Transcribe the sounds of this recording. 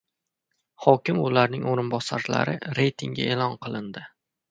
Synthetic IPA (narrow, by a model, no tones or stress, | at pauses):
hɒkʲɪmʊlaɾnɪŋoɾɪnbɒsaɾla̰ɾɪɾe̞jt̪ʰɪŋɡʲa̰elɒnqʰɨlˠɪnd̪ɪ